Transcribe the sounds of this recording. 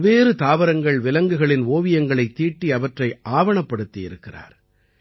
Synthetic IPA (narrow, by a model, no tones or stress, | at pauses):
ʋeːɾɯt̪aːʋɐɾɐŋɡɐɭʋɪlɐŋɡɯɣɐɭɪnʋoːʋɪjɐŋɡɐɭɐɪt̪ːiːʈːiɐʋɐʈrɐɪʔaːʋɐɳɐpːɐɽɯt̪ːɪjɪ̰ɾɯkːɪra̰ːɾ